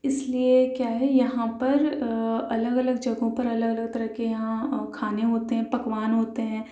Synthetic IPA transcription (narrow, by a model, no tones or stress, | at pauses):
ɪsliekjaːɦɛjɐɦãpɐɾɐləɡɐləɡd͡ʒɐɡõpɐɾɐləɡɐləɡ̚t̪ɐɾəɦkejɐɦãkʰaːneɦoːt̪eɦɛ̃pɐkʋaːnɦoːt̪eɦɛ̃ː